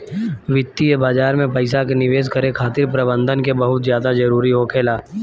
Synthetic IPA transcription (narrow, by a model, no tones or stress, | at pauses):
ʋɪt̪ːiebaːd͡ʒaːɾmẽpɐɪsakenɪʋeːskəɾekʰaːt̪ɪɾpɾɐbə̃nd̪ʱənkebɐɦʊt̪zjaːd̪ad͡ʒɐɾuːɾiɦoːkʰeːlaː